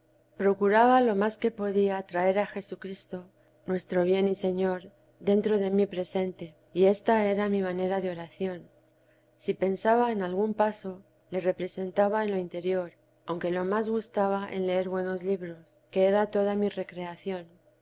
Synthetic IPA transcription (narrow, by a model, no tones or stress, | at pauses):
pɾo̞kuɾaβalo̞maske̞po̞ðiat̪ɾae̞ɾaxe̞sukɾist̪o̞ | nwe̞st̪ɾo̞βje̞nise̞ɲo̞ɾ | ðe̞nt̪ɾo̞ðe̞mipɾe̞se̞nt̪e̞ | ie̞st̪ae̞ɾamimane̞ɾaðeo̞ɾaθjo̞n | sipe̞nsaβaenalɣ̞umpaso̞ | le̞re̞pɾe̞se̞nt̪aβae̞nlo̞int̪e̞ɾjo̞ɾ | awŋke̞lo̞mazɣust̪aβaʔḛnle̞e̞ɾβwe̞no̞zliβɾo̞ske̞eɾat̪o̞ð̞amire̞kɾe̞aθjo̞n